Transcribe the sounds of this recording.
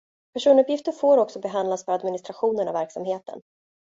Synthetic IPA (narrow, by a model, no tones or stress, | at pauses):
pʰæʂuːnɵpjɪft̪əɾfoːɾɔksɔbɛɦand̪lasfœɾad̪mɪnɪst̪ɾaɧuːnənavæɾksamɦeːt̪ʰə̰n